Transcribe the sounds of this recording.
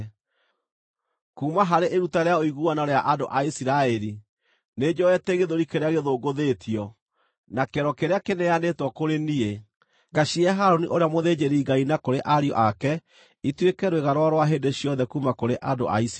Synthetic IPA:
kuːmaɦaɾeʔeɾutaɾeaoiɣuanaɾeaʔadoʔaisiɾaɛɾi | ned͡ʑɔɛteɣeðoɾikeɾeaɣeðoɡoðetʰiɔ | nakɛɾɔkeɾeakenejanetwɔkoɾenie | ɡaiɛɦaɾoniʔoɾeamoðed͡ʑeɾeiɡainakoɾeʔaɾiɔ̰ʔakɛ | itwekɛɾoweɣaɾwaɾwaɦeːndeɕiɔnðɛkuːmakoɾeʔado̰ʔa̰is

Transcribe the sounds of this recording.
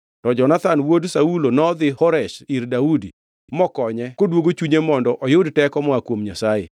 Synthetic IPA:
tɔd͡ʒɔnat̪anwodsaulonɔd̪ɪhɔɾɛʃiɾdaudi | mɔkɔɲɛkodwoɡot͡ʃuɲemɔndɔʔɔjʊdtɛkɔmɔakwomɲasajɪ̰

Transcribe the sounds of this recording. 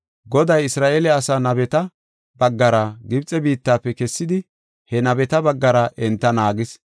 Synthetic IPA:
ɡɔd̪ɐjɪsɾaːʔeːlɛɐsaːnɐbɛt̪ɐ | bɐɡːɐɾɐɡɪbt͡sʼɛbiːt̪ːaːpːɛkɛsːɪd̪ɪ | hɛnɐbɛt̪ɐbɐɡːɐɾɐʔɛnt̪ːɐnaːɡɪs

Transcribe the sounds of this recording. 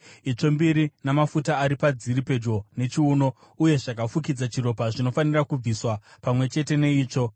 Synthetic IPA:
it͡ʂo̞mbiɾinamafutaːɾipad͡ziɾipe̞d͡ʒo̞ne̞t͡ʃiuːno̞ | uje̞ʐakafuk̬id͡zat͡ʃiɾo̞paʐino̞fanirakub͡viswapamwe̞t͡ʃe̞te̞ne̞iːt͡ʂo̞

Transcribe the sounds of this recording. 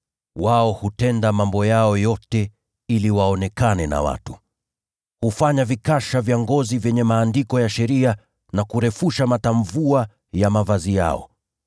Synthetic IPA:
waɔhutɛndamambɔjaɔjɔtɛ | iliwaɔnɛkanɛna̰wa̰tu̥ | hufaɲavikaʃavjaŋɡɔzivjɛɲɛmaːndikɔjaʃɛɾia | nakuɾɛfuʃamataɱvua | jamavazija̰ɔ̰

